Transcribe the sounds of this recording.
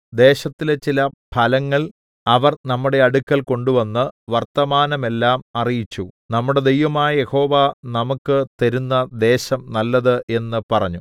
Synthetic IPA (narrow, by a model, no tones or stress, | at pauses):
d̪e̞ːɕɐt̪ːilet͡ɕːilɐpʰɐlɐŋːɐɭ | ɐʋɐrnɐmːuɽe̞ɐɽukːɐlko̞ɳɖuʋɐnːɨʋɐrt̪ɐmaːnɐme̞lːaːmɐrijit͡ɕːunɐmːuɽe̞d̪e̞jʋɐmaːjɐje̞ho̞ːʋanɐmukːɨt̪ɐɾunːɐd̪e̞ːɕɐmnɐlːɐðɨʔe̞nːɨpɐrɐɲːu